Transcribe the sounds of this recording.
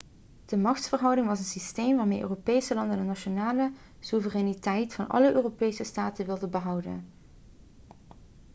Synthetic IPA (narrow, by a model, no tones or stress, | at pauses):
d̥əmɑxtsfərɦʌwdɪŋʋɑsənsistejmʋaːɹmejʔø̰ːropejsəlɑndənənɑʃonaːlə | suvərɛnitɛjtfɑnʔɑ̰ləʔøːropejsəstaːtənʋɪlˠdənbəɦʌwdə̰n